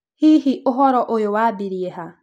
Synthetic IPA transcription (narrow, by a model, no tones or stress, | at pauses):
hihiʔʊɦɔɾɔʔojowabiɾieɦa